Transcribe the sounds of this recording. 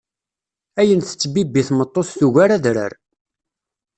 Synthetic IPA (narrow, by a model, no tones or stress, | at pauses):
æjənθə̥t͡sːbibːiθmət̪ˤːoθθuʝaɾæðɾə̰ɾ